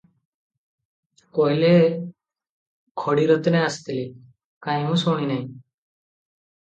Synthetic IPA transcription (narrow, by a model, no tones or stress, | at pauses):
koɦile | kʰɔɽiɾɔt̪neast̪ili | kãj̃mũsoɽ̃inaj̃